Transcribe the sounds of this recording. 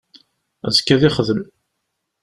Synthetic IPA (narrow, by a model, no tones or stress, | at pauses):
æ̰ðkːæðɪχðəm